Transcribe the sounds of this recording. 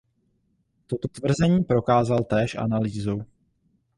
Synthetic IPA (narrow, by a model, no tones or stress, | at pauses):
t̪o̞t̪o̞t̪vr̩zɛɲiːpɾo̞kaːzalt̪ɛːʃʔa̰naliːzow